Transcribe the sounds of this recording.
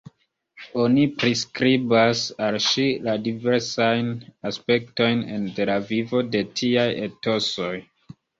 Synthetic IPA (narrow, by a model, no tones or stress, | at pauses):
o̞nipɾiskɾibasalʃiladiveɾsajnaspe̞kto̞jnḛnte̞lavivo̞de̞tʰiajeto̞so̞j